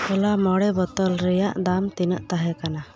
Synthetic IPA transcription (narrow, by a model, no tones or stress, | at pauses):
ɔlamɔɽɛbɔt̪ɔlɾɛjaʔd̪amt̪inəʔt̪aɦɛkana